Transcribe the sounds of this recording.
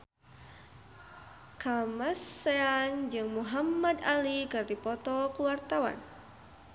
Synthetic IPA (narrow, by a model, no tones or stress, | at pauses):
kamasːeand͡ʒɨŋmuɦamːad̪alikɨrd̪ipɔt̪ɔkuwart̪awa̰n